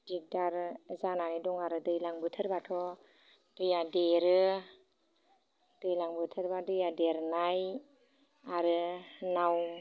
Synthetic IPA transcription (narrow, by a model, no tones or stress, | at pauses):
dik̚daɾzananidɔŋaɾɯdɯjlaŋbɯtʰɯɾbatʰɔ | d̥ɯjadeɾɯ | d̥ɯjlaŋbɯtʰɯɾbadɯjadeɾnaj | aɾɯnaw